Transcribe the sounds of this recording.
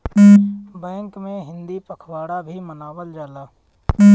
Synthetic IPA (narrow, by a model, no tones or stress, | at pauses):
bɛ̃ːŋkmẽɦɪ̃nd̪ipəkʰwaːɽabʱimənaːwəld͡ʒaːlaː